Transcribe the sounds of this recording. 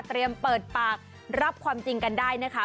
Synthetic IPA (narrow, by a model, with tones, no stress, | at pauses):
t̪ɾi˧əmpɤː˨˩t̪̚paː˨˩k̚ | ɾa˦˥p̚kʰwaː˧mt͡ɕi˧ŋka˧ndaː˥˩jna˦˥kʰa˦˥